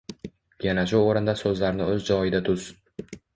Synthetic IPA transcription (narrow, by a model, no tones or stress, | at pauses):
janaʃʊoɾɪnd̪asɵzlaɾnɪɵzd͡ʒɒjɪd̪at̪ʰʊz̥